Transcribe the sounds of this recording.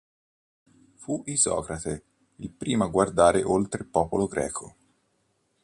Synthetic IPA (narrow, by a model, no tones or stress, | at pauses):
fuʔizɔ̰ːkɾat̪e | ilpɾiːmaɡward̪aːɾeʔolt̪ɾepɔːpoloɡɾɛ̰ːkʰo